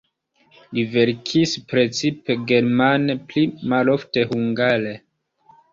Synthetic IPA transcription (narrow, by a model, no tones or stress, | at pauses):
live̞ɾkʰispɾe̞t͡sipe̞ɡe̞ɾmaneplimalo̞fte̞huŋɡale